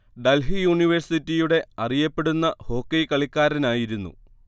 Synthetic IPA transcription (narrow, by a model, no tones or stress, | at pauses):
ɖɐlɦijuɳiʋɐrsitːijuɽe̞ɐrijɐpːe̞ɽunːɐho̞ːkːɐjkɐɭikʲːaːɾɐnaːjiɾunːṵ